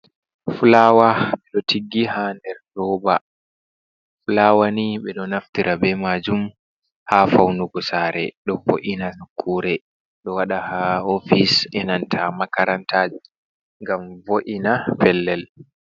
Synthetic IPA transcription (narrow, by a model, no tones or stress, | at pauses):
fulaːwaɓɛɗɔtʰiɡːihandɛɾdɔba̰ | fulawaniɓɛɗɔnaftiɾʔabɛmad͡ʒum | hafawnuɡɔsaɾɛ̰ɗɔfoʔinasakʰːuɾɛ | ɗɔwaɗahaofisɛnantʰamakaɾantʰaːd͡ʒi | ŋɡamvoʔinapɛlːɛl